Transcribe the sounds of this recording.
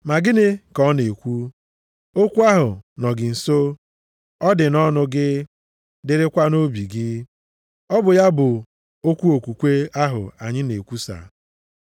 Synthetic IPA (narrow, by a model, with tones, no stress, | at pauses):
ma˨ɡɪ˦nɪ˦kɔ˦ne˨kʷu˦ | o˦kʷu˦a˦ɦʊ˨nɔ˨ɡɪ˨n̩˨so˦ | ɔ˦dɪ˨nɔ˦nʊ˨ɡɪ˦ | dɪ˦ɾɪ˦kʷa˦no˦bi˨ɡɪ˦ | ɔ˦bʊ˨ja˦bʊ˨ | o˦kʷu˦o˨kʷu˨kʷe˦a˦ɦʊ̰˨a˨ɲɪ˦ne˨kʷu˦sa̰˨